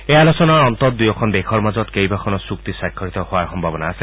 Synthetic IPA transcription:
ealosɔnaɹɔnt̪ɔt̚d̪ujɔkʰɔndekʰɔɹmazɔt̪kejbakʰɔnɔsukt̪isakʰːɔɹit̪ɔhʊaɹxɔmbʱabɔnaːse

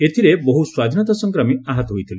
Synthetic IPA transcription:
et̪ʰiɾeboɦuswad̪ʱinɔt̪ɔsɔŋkɾɔmiaɦɔt̪ɔɦojt̪ʰile

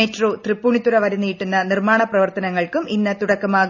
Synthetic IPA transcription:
etro̞ːt̪ripːuːɳit̪ːuɾɐʋɐɾɐnːijiʈːunːɐnirmaːɳɐprɐʋɐrt̪ɐnɐŋːɐɭkuminːɐt̪ːuɽɐkːɐmaː

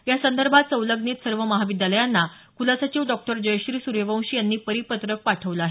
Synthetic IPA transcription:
jasənd̪əɾbʱat̪̚t͡səwləɡniːt̪səɾʋəməɦaʋid̪jaləjanːa | kulasat͡ɕiːʋɖɔk̚ʈəɾd͡ʑəjɕɾiːsuɾeʋə̃w̃ɕiːjanːiːpəɾipət̪ɾək̚paʈʰəʋləaɦe

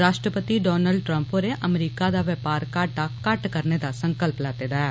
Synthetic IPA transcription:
ɾaːʃʈɾəpət̪iɖɔːnəlɖ̚ʈɾə̃mpoːɾeʔəmɾiːkad̪aːʋɛpaːɾkaʈakəʈkəɾned̪asə̃ŋkəlplaːd̪eːd̪aːeː

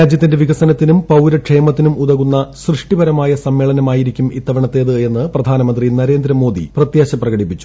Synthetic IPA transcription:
ɾaːd͡ʑjɐt̪ːinde̞ʋiɣɐsɐnɐt̪ːinumpɐwɾɐʈʂeːmɐt̪ːinumuðɐɣunːɐsrɨʂʈibɐɾɐmaːjɐsɐmːe̞ːɭɐnɐmaːjiɾikʲːumit̪ːɐʋɐɳɐt̪ːe̞ðɨe̞nːɨprɐd̪ʱaːnɐmɐnd̪rinɐɾe̞ːnd̪ɾɐmo̞ːd̪ḭprɐt̪jaːɕɐprɐɣɐɽipːit͡ɕːu̥

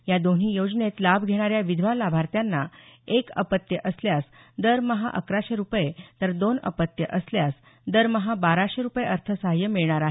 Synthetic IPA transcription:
jad̪on̤iːjod͡znet̪labʱɡʱeɽ̃aɾjaʋid̪ʱʋalabʱaɾt̪janːaekə̰pət̪jəʔəsljas | d̪əɾməɦa̰ʔəkɾaɕeɾupjet̪əɾd̪onə̰pət̪jəʔəsljas | d̪əɾməɦabaɾaɕeɾupjeəɾt̪ʰəsaɦjəmiɭɳaɾaɦe

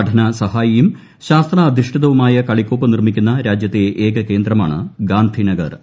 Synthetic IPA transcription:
ɐʈʰɐnɐsɐɦaːjijum | ɕaːst̪rɐːd̪ʱiʂʈʰiðɐʋumaːjɐkɐɭikʲːoːpːɐnirmikʲːunːɐɾaːd͡ʑjɐt̪ːeʔeːɡɐke̞ːnd̪rɐma̰ːɳɨ̰ɡaːnd̪ʱinɐɡɐ̰r

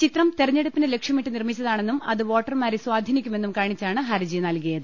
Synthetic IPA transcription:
t͡ɕit̪rɐmt̪erɐɲːe̞ɽupːinɨle̞kʂjɐmiʈːɨnirmit͡ɕːɐðaːɳe̞nːumɐ̰ðɨʋo̞ːʈːɐrmaːɾeswaːd̪ʱinikʲːume̞nːumkaːɳit͡ɕːaːɳɨɦɐɾɐd͡ʑinɐlkijɐðɨ

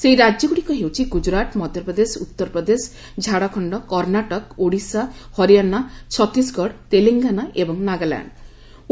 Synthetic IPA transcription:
sejɾad͡ʒjɔɡuɽikɔɦewt͡ʃʰiɡud͡ʒɾat̪mɔd̪jɔpɾɔd̪esut̪ːɔɾpɾɔd̪es | d͡ʒʱaɽakʰɔɳɖɔkɔɾnaʈɔkoɽisahɔɾijanat͡ʃʰɔt̪isɡɔɽt̪eliŋɡanaʔebɔŋnaɡala̰ɳɖ

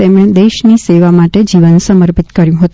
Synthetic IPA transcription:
emɭẽd̪eʃniseʋamaʈed͡ʒiʋənsəməɾpit̪kəɾjũɦət̪

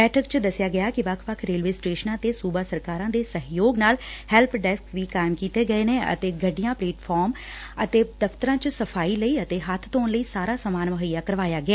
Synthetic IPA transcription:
bɛːʈʰəkt͡ʃd̪əsɪjaːɡɪjaːkɪʋəkʰʋəkʰɾeːlʋeːsʈeːʃənãːt̪eːsuːbaːsəɾkaːɾãːd̪eːsəɦjoːɡnaːlhɛlpɖɛskʋiːkaːɪmkiːt̪eːɡəeːneːə̰t̪eːɡəɖɪjãːpleːʈʰpʰɔːɾm | ət̪eːd̪əpt̪əɾãːt͡ʃsəpʰaːiːləiːət̪eːɦət̪ʰt̪oːnləiːsaːɾaːsəmaːnməɦəjaːkəɾʋaːjaːɡɪaː

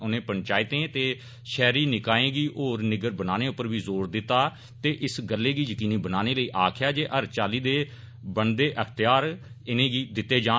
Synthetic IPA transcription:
ʊnẽːpəɳt͡ʃaːɪt̪ẽːt̪eː | ʃɛːɾiːnɪkaːẽːɡiːʔoːɾnɪɡəɾbənaːneːʊpːəɾʋiːzoːɾd̪ɪt̪ːaː | t̪eːʔɪsɡəlːeːɡiːjəkiːniːbənaːneːləiːʔaːkʰɪjaːd͡ʒeːʔəɾt͡ʃaːliːd̪eː | bəɳd̪eːʔət̪ɪjaːɾ | ɪnẽːɡiːd̪ɪt̪ːeːd͡ʒaː

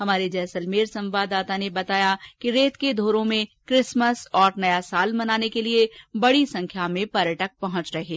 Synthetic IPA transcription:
ɦɐmaːɾed͡ʒɛːsəlmeːɾsɐ̃mʋaːd̪ːaːt̪anebɐt̪aːjakiɾeːt̪ked̪ʱoːɾõmẽkɾɪsməsɔːɾnɐjasaːlmɐnaːnekeliebɐɽisɐ̃ŋkʰjamẽpɐɾjəʈək̚pɐɦʊ̃t͡ʃɾɐɦeː

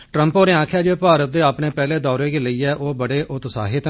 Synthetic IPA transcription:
ʈɾəmpoːɾeãːkʰjaːd͡ʒeːpaːɾət̪̚d̪eːaːpneːpɛːleːd̪ɔːɾeːɡeːləiːɛːʔoːbəɽeːʔʊt̪sa̰ːɦɪt̪

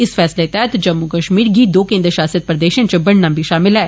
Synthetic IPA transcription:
ɪsfɛːslet̪ɛɦɛt̪d͡ʒəmːukəʃmiːɾɡiːd̪oːkẽːnd̪ɾəʃaːsijət̪̚pɾəd̪eːʃə̃nt͡ʃəbəɽnãːmbʱiʃaːmɪlɦɛː

